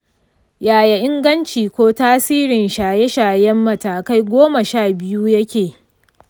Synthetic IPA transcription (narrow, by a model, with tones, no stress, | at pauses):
jaː˨jɐ˨ʔɪ˦ŋɡɐ˦nt͡ʃiː˨kʷoː˦taː˦siː˦ɾɪ˨nʃaː˨je˦ʃaː˨jɛ˦mːɐ˨taː˨ka˦jɡʷoː˦mɐ˨ʃaː˦˨bɪ˦juː˦jɐ˦kʲeː˨